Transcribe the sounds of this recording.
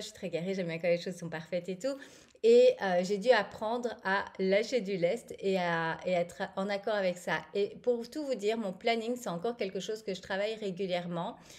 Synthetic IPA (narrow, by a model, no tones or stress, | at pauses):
əʃɥi̥t̪χɛɡaʁeʒɛmbjɛ̃kɔaʁleʃozsɔ̃paʁfɛt̪et̪u | eøʒed̪yapχɑ̃d̪ʁalaʃed̪ylɛst̪eaeɛt̪χɑ̃nakɔʁavɛksaepuʁt̪uvud̪iːʁmɔ̃planiŋsɛt̪ɑ̃kɔʁkʲɛlkəʃozkəʒət̪χavajʁeɡʲyljɛʁmɑ̃